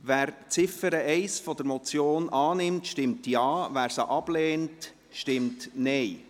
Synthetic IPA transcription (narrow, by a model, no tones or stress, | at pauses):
ʋæːɾt͡sɪfəɾəɛɪsfɔd̪əɾmɔt͡sjoːnɑːnɪmtʃtɪmtjɑːvæːɾsəʔɑb̥leːnt | ʃtɪmtnɛɪ